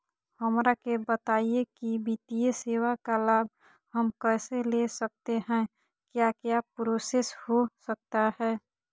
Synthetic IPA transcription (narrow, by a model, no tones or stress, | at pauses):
həmɾakebət̪aːiekibit̪ijəseːwakalaːb̚ | həmkɛːselesək̚t̪eɦɛ̃ | kjakjapɾoseshosək̚t̪aɦɛː